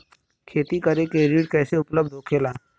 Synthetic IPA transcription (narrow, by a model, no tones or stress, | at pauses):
kʰeːt̪ikɐɾekeɾiːɖkɛːseʊpləbd̪ʱɦoːkʰeːlaː